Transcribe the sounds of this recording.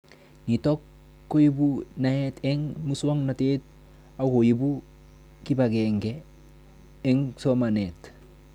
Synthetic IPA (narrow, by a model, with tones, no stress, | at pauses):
ni˨to˦kː | o˦ji˦buna˨ɛtɛ˦ŋmu˦swo˦ŋna˨te˦t̚ | a˨ko˨ji˦bu˦ | ki˦ba˨ɡeŋɡe˦ | ŋso˦ma˨ne˨t